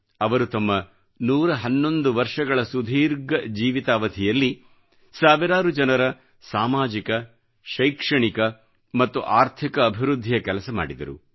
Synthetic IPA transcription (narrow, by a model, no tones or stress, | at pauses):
ɐʋɐɾut̪ɐmːɐ | nuːɾɐɦɐnːo̞nd̪uʋɐɾʂɐɡɐɭɐsud̪ʱiːɾɡɐd͡ʒiːʋit̪aːʋɐd̪ʰʱijɐlːi | saːʋiɾaːɾud͡ʒɐnɐɾɐ | saːmaːd͡ʒikɐ | ʃɐjkʂɐɳikɐ | mɐt̪ːuʔaːɾt̪ʰikɐːbʱiɾud̪ʱːijɐkɛlɐsɐma̰ːɽid̪ɐ̰ɾṵ